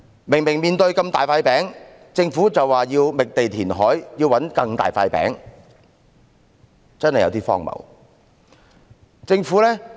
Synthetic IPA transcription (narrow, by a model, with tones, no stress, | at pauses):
mɪ˨˩ŋmɪ˨˩ŋmiː˨nt̪ɵ˧ɥkɐ˧mt̪a̰ː˨jfaː˧jpɛː˨˥ŋ | t͡sɪ˧ŋfuː˨˥t͡sɐ˨wːaː˨˩jiː˧wmɪ˨k̚t̪e˨jt̪ʰiː˨˩nɦɔː˨˥jjiː˧wɐ˨˥nkɐ˧ŋt̪a̰ː˨jfa̰ː˧jpɛ̰ː˨˥ŋ | t͡sɐ˥nhɐ˨jɐ˨˧wt̪iː˥fɔ̰ː˥ŋmɐ̰˨˩w | t͡sɪ˧ŋfuː˨˥lɛː˥